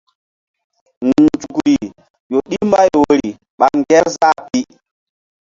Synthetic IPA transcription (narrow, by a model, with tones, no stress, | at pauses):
ŋu˨d͡ʒu˨kɾi˨ | jo˨ɗi˦mba˦jwo˦ɾi˨ | ɓa˨ŋɡɛ˦ɾza˦pi˦